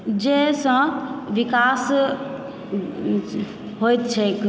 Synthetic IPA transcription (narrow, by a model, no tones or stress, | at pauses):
d͡ʒesə̃ʋikas | ɦojt̪̚t͡ʃʰɛk